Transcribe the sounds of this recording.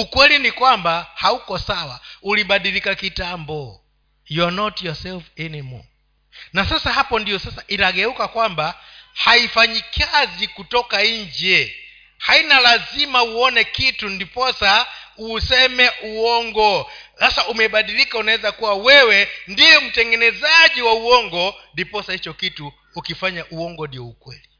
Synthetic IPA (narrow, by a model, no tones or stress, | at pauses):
ukwɛlinikwambahaukɔsawauliɓaɗilikakitambɔ | jɔnɔtjɔsɛlfɛnimɔ̰ | nasasaɦapɔndijɔsasaʔitaɡɛukakwambahaifaɲikʰazikutɔkaind͡ʒɛ | hainalazimauɔnɛkitundipɔsausɛmɛʔuwɔŋɡɔsasaʔumɛɓaɗilikaunaɛzakuwawɛwɛndiɛm̩tɛŋɡɛnɛzaʄiwauɔŋɡɔndipɔsahit͡ʃɔkituː | kifaɲaʔuɔŋɡɔdiɔukwɛ̰li